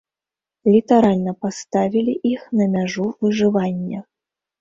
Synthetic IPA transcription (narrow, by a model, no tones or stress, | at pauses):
lʲit̪aɾalʲnɐpast̪avʲilʲiʔixnɐmʲaʐuvɨʐɨvanʲːɐ